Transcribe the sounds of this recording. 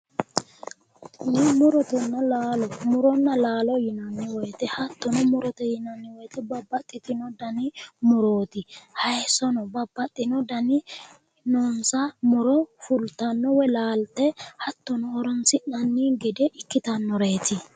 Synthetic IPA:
nɛmʊɾɔt̪ɛnːɐlaːlɔmʊɾɔnːɐlaːlɔjɪnɐnːɪwɔjt̪ɛhɐt̪ːɔnɔmʊɾɔt̪ɛjɪnɐnːɪwɔjt̪ɛbɐbːɐt̪ʼːɪt̪ɪnɔd̪ɐnɪmʊɾo̞ːt̪ɪhɐjsɔnɔbɐbːɐt̪ʼːɪnɔd̪ɐnɪ | noːnsɐmʊɾɔfʊlt̪ːɐnːɔwɛlaːlt̪ɛhɐt̪ːɔnɔːɾɔnsɪnɐnːiɡɛd̪ɛʔɪkːɪt̪ɐnːɔɾe̞ːt̪ɪ

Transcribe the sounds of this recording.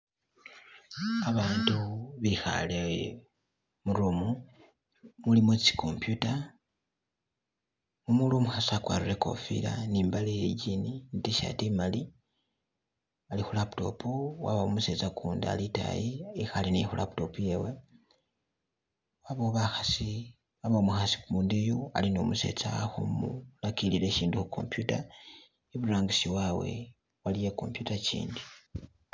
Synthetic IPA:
aβaːntuβixa̰le | muɾumu | mulimot͡si̥kʰompjuta | mumulomuxasakwa̰ɾuɾeko̞̰fḭɾa̰niːmbalijeɟininitiʃa̰timali | alixulapto̞̰puwa̰βaumuse̞t͡sakʰuːndaa̰lita̰jiːxalinixula̰pto̞pujewe | waβoβaxasi | βaβamuxasi̥kumuːndijoa̰linomuse̞̰t͡saxomulakilile̞ʃiːndixuko̞̰mpjuta | eβuɾaːŋɡisiwawe̞̰ | walijeko̞̰mpjutacḭːndi

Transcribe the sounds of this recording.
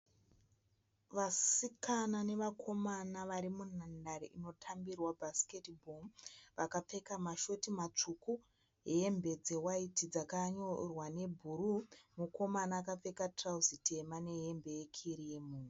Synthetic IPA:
ʋasikanane̞ʋakʰo̞manaʋaɾimunandaɾeʔino̞tʰambirwabʱasi̥ketbʱomʋakap͡fe̞kamaʃo̞timat͡ʂuku | e̞mbe̞d͡ze̞waitid͡zakaɲo̞rwane̞bʱurumuko̞manaːkap͡fe̞katrauzite̞mane̞ɦe̞mbe̞je̞kʰiɾije̞muːn̤u

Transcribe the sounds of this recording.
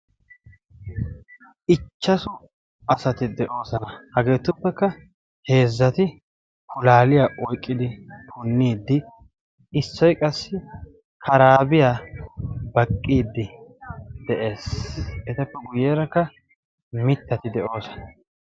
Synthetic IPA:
ʔɪt͡ʃːɐsʊ | ɐsɐt̪ɪd̪ɛʔo̞ːsɐnɐhɐɡe̞ːt̪ːʊpːɛkːɐ | he̞ːzːɐt̪ɪ | kʊlaːlɪjaːʔɔjkʼːɪd̪ɪt̪ʰʊnːiːd̪ːɪː | sːɔjkʼɐsːɪ | kʰɐɾaːbɪjaː | bɐkʼːiːd̪ːɪ | d̪ɛʔe̞ːsɛt̪ɐpːɛɡʊjɛːɾɐkːɐ | mɪt̪ːɐt̪ɪd̪ɛʔo̞ːsɐ̥nɐ

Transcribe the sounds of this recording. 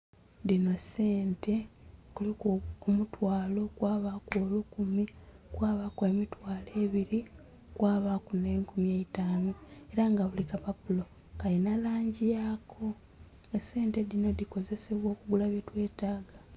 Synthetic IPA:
dino̞se̞ːnte̞kulikuomutwaːlo̞kwaːβakoːlukumikwaːβakwe̞mitwaːle̞ːβiɾi | kwaːβakuneŋkumijeitaːnoe̞ɾaŋɡaβulikapapulo | kainalaːɲɟijakʰo̞ | ese̞ːnte̞ðino̞diko̞ze̞se̞βwo̞ːkuɡulaβjetwe̞ːtaːɡa

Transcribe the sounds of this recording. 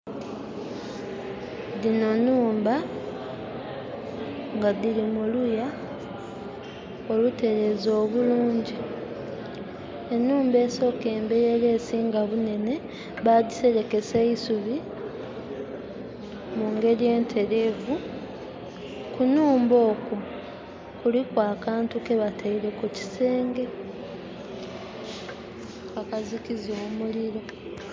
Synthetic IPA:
ðino̞nuːmba | ŋɡaðilimuluja | o̞lute̞ɾe̞zo̞ːβuluːɲɟi | e̞nuːmbe̞ːso̞ːke̞ːmbe̞je̞lesiːŋɡaβune̞ne̞ | βadise̞ɾe̞ke̞seisuβi | muːŋɡe̞ɾije̞ːntʰe̞ɾe̞ːvu | kunuːmbo̞ːku | kulikwaːkaːntuke̞βatʰaiɾe̞kuci̥se̞ːŋɡe̞ | akazikizoːmuliɾo̞

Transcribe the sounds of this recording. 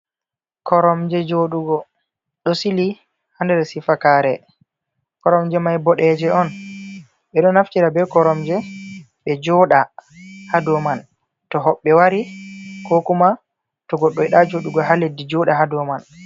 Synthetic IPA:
kʰɔɾɔmd͡ʒɛd͡ʒoɗuɡɔ | ɗɔsili | handɛɾsifakaɾɛ | kɔɾɔmd͡ʒɛmajbɔɗɛd͡ʒɛʔɔn | ɓɛɗɔnaftiɾabɛkɔɾɔmd͡ʒɛ | ɓɛd͡ʒɔɗahadɔman | tɔɦɔɓːɛwaɾikokuma | tɔɡɔɗːɔjɗad͡ʒoɗuɡɔɦaledːid͡ʒɔɗaɦadɔman

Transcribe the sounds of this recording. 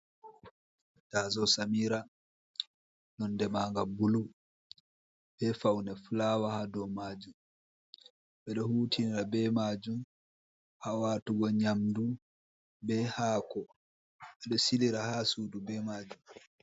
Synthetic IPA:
taːzɔsamiːɾa | nɔndɛmaːŋɡabulu | b̥ɛfawnɛflaːwahadɔwmaːd͡ʒum | ɓɛɗɔhuːtʰiniɾabɛmaːd͡ʒum | hawatuɡɔɲamdu | bɛhaːkɔ | ɓɛɗɔsiliɾahasuːdubɛmaːd͡ʒum

